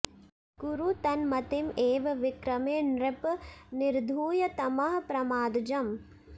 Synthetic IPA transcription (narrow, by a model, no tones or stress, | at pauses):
ɡ̥uɾut̪ɐnmɐt̪imeːʋɐʋikɾɐmeːnɾɪpniɾd̪ʱuːjɐt̪ɐmɐɦɐpɾɐmaːd̪d͡ʒɐm